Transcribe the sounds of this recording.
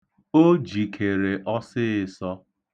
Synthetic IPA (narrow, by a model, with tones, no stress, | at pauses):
o˦d͡ʒi˨kʰe˨ɾe˨ʔɔ˦sɪ˦ɪ˦˨sɔ˦